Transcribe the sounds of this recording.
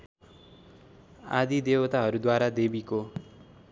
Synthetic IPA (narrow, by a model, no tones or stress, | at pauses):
a̰d̪id̪ewʌt̪aɦʌɾud̪waɾad̪ebiko